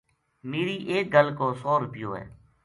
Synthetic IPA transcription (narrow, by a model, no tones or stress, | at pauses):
meːɾiːʔeːk̚ɡəlkoːsɔːɾʊpɪjoːɦɛ̰ː